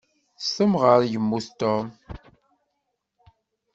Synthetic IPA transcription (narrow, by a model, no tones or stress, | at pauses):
sθəmʁəɾjəmːuθt̪ɔm